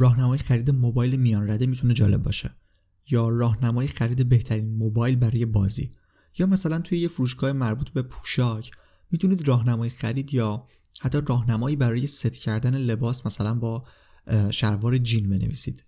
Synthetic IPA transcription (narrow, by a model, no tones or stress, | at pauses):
ɾɒːhnæmɒːjexæɾiːd̪emobɒːjlemijɒːnɾæd̪emit̪ʰune̞d͡ʒɒ̰ːle̞bbɒ̰ːʃe̞̰ | jɒːrɒːhnæmɒːjexæɾiːd̪e̞be̞ht̪ʰæɾiːnmobɒːjlbæɾɒːjebɒːzḭː | jɒːmæsælænt̪ʰujejefuɾuːʃ̬ɡɒːemæɾbuːt̪be̞pʰu̥ːʃɒcʰ | miːt̪ʰuniːd̪rɒːɦnæmɒːjexæɾiːd̪jɒː | hæt̪ʰːɒrɒːhnæmɒːiːbæɾɒːje̞set̪ʰcʰæɾd̪æne̞le̞bɒːsmæsælænbɒː | ʃæɾvɒːɾed͡ʒinbe̞nḛviːsḭd̪̥